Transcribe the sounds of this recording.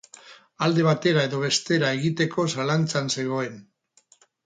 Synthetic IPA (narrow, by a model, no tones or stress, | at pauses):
ald̪e̞β̞at̪e̞ɾae̞ðo̞β̞e̞st̪e̞ɾae̞ɣit̪e̞ko̞salant͡sanse̞ɣ̞o̞e̞n